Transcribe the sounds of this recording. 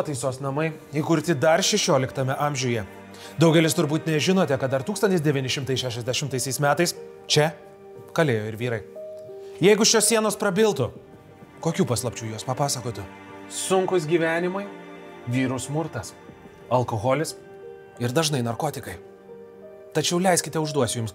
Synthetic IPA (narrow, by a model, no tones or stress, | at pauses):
oɔt̪ɐɪsoːsnɐmɐɪ | iːkʊɾʲt̪ʲɪd̪ɐɾʃʲɛʃʲoːlʲɪkt̪ɐmʲɛʔɐmʲʒʲuːjɛ | d̪ɒʊɡʲɛlʲɪst̪ʊɾbuːt̪nʲɛʒʲɪnoːt̪ʲɛkɐt̪d̪ɐɾt̪uːkst̪ɐnt̪ʲɪsd̪ʲɛʋʲinʲɪʃʲɪmt̪ɐɪsʃʲæːʃʲɛzʲd̪ʲɛʃʲɪmt̪ɐɪsʲɛɪsmʲæːt̪ɐɪs | t͡ʃʲɛ | kɐlʲeːjoːɪɾʋʲiːɾɐɪ | jɛɪɡʊʃʲoːssʲiɛnoːspɾɐbʲɪlˠt̪ʊ | koːkʲuːpɐslˠɐpʲt͡ʃʲuːjuɔspɐpɑːsɐkoːt̪ʲʊ | sʊŋkʊsɡʲiːʋʲæːnʲɪmɐɪʋʲiːɾʊsmʊɾt̪ɐs | ɐlˠkoːɣɔːlʲɪs | ɪɾd̪ɐʒnɐɪnɐɾkoːt̪ʲɪkɐɪ | t̪ɐt͡ʃʲɛʊlʲɛɪsʲkʲɪt̪ʲɛʊʒd̪uɔsʲjʊms